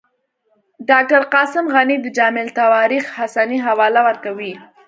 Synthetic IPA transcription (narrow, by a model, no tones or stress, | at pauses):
ɖɑk̚ʈaɾqɑsɪmɣanid̪əd͡ʒɑmɪlt̪awɑɾixhasaniɦawɑlawəɾkawi